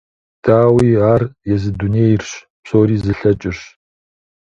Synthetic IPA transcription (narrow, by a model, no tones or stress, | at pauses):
d̥aːwiːaːrjɛzɨduneːjɪrɕ | psoːɾiːzɨɬɐt͡ʃʼɪɕ